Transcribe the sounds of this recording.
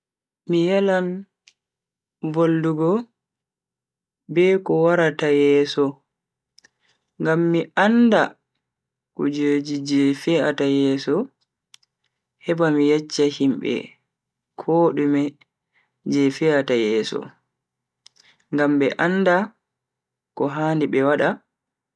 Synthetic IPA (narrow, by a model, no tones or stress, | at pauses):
mijalan | volduɡɔ | bɛkɔwaɾatajɛːsɔ | ŋɡamːianda | kɔd͡ʒoːd͡ʒid͡ʒɛfɛatajɛːsɔ | hɛbamijad͡ʒːahimɓɛ̰ | kʰɔɗumɛ | d͡ʒɛfɛatajɛːsɔ̰ | ŋɡamɓɛ̰ʔanda | kɔɦandiɓɛwaɗa